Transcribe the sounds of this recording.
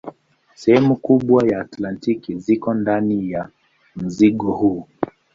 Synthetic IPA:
sɛhɛmukuɓwajaːtlantikizikɔndanija | m̩ziɠɔhuː

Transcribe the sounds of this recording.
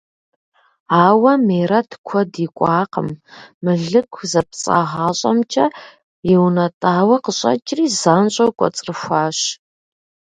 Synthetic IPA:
aːwɐmeːrɐtʰkʷʰɔdiːkʷʼɑːqə̰mːɨɮɨkʷʰzɐpt͡sʼa̰ʁɑːɕʼɐ̰mt͡ʃʰʼɐ | jɛwnɐtʼaːwɐqəɕʼɐ̰t͡ʃʼriːzaːnɕʼɐwkʷʼɔ̰t͡sʼrɨxʷaːɕ

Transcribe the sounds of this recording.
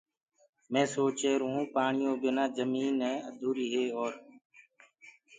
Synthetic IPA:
mẽːsoːt͡ʃeːɾuũːpaːɳɪjõːbɪnãːd͡ʒəmiːnɛ̃ːəd̪ʱuːɾiːɦeːoːɾ

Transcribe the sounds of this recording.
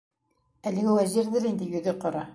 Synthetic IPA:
ælɘ̆ɡɘwæʑiɾd̪ɘɾind̪ɘjɵ̆ðɘqŏɾɑ

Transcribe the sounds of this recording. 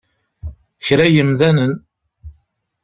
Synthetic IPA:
çɾæjəmðænən

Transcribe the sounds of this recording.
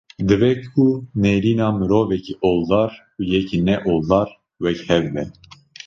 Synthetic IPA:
d̪ɨvɛkuneɾiːnɑːmɨɾoːvɛcʰiʔold̪ɑːɾ | ujɛkʰinɛʔold̪ɑːɾ | wɛkhɛvːɛ

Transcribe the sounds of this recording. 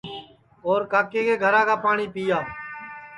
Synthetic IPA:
oːɾkaːkeːkeːɡʱəɾãːkaːpaːɳiːpiːjaː

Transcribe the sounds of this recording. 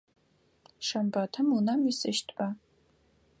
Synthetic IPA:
ʂɐmbɐtʰɨmunɐmisɨʃtʰpʼɐ

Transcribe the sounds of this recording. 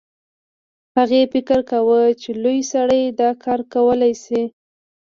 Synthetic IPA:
haɣefɪkəɾkawət͡ʃelojsaɽəjd̪ɑkʰɑɾkawəlajsi

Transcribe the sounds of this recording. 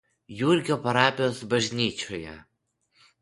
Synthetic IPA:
juɾʲɡʲoːpɐɾɑːpʲɪjoːsbɐʒʲnʲiːt͡ʃʲojɛ̰

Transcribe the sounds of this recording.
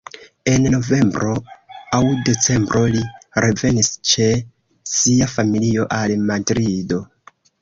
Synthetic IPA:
e̞nno̞ve̞mbɾo̞awde̞t͡se̞mbɾʔo̞liɾeve̞nist͡ʃe̞ | siafamilio̞ʔalmadɾido̞

